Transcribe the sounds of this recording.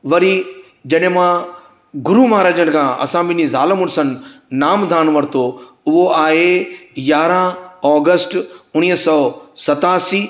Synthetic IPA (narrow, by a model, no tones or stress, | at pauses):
ʋɐɾi | d͡ʑɐɗɦɪ̃mã | ɡʊɾumaːɾaːd͡ʑəñ̆kʰãːʔɐ̰sãɓɪ̃nizaːləmʊɽsənɪ̆naːmd̪ʱaːɽ̃ʋɐɾt̪ʰo | ʊɦoaːɦejaːɾə̃ɔːɡəsʈʊɽ̃iːɦsɔːsɐt̪aːsiː